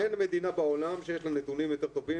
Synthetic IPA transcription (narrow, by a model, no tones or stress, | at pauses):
enme̞d̪inabao̞lamʃejeʃlanet̪unimjo̞t̪e̞ʁt̪o̞vi